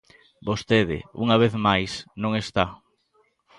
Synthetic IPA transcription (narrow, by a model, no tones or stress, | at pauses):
bost̪eðɪ̰ṵŋaβ̞eθmajsnõŋest̪a